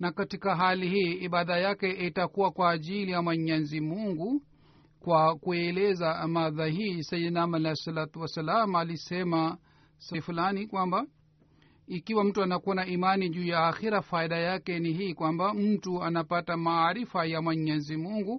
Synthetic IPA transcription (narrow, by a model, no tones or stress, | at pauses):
nakatikaɦalihiːɓaðajakɛitakuwakwaːʄilijamwɛɲɛzimuŋɡu | kwakuɛlɛzamaðahiːsɛjɛnamalɛsalat̪uwasalamalisɛma | sɛfulanikwamba | ikiwam̩tuanakuanaimaniʄuːjaːxiɾafaiɗajakɛniɦiːkwambam̩tuanapatamaːɾifajamwɛɲɛzimuŋɡu